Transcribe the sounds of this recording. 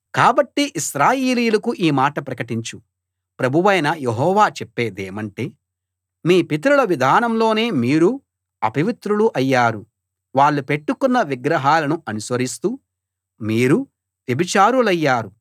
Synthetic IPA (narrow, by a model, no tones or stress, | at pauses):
kaːbɐʈːiʔiʃɾaːjeːliːjlɐkuʔiːmaːʈɐpɾɐkɐʈiɲt͡ʃu | pɾɐbʱuʋɐjnɐjeɦɔːʋaːt͡ʃɛpːeːd̪eːmɐɳʈe̞ː | miːpit̪̬ɐɾulɐʋid̪ʱaːnɐmlo̞ːne̞ːmiːɾu | ɐpɐʋit̪ɾuluʔɐjːaːɾu | ʋaːɭːupe̞ʈːukunːɐʋiɡɾɐɦaːlɐnuɐnusʋɐɾist̪uː | miːɾu | ʋ̪ebit͡ʃaːɾulɐjːaːɾu